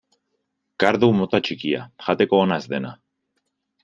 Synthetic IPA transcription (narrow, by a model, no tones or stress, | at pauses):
kaɾðumot̪at͡ʃikia̰ʝat̪e̞ko̞ːnazðe̞na̰